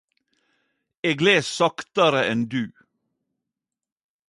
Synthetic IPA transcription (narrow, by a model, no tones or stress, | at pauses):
eːɡleːsɑkt̪əɾəʔɛnd̪ʉː